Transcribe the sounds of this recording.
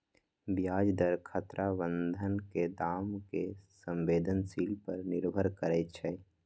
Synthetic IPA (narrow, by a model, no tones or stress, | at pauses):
bjad͡ʒd̪əɾkʰət̪ɾabə̃nd̪ʱənked̪aːmkesə̃mbeːd̪ʱənsilpəɾnɪɾbʱəɾkəɾɛt̪t͡ʃʰɛ